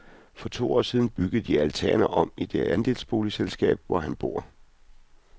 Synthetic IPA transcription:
fɒ̽t͡sʰo̝̰ːɒ̰ːsiːð̞ˠn̩b̥yɡ̥əð̩ˠd̥iælt͡sʰæ̰ɐnɐʔɒ̽m̰id̥eænd̥e̝̰ːlsb̥o̝ːliselsɡ̥ɛ̰ːb̥ʋɒɦænb̥o̝ːɐ̰

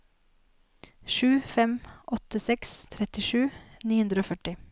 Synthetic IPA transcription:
ʃʉːfɛmʔɔt̪əsɛkst̪ʰɾɛt̪ɪʃʉːniːhʉnd̪ɾəoːfœʈɪ

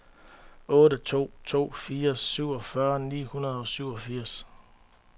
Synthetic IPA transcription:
ɔ̽ːɾət͡sʰo̝̰ːt͡sʰo̝̰ːfiːɐsyʊ̰ɒ̽fɶɐnḭːhunɐð̞̩ˠɒ̽syʊ̰ɒ̽fiɐ̰s

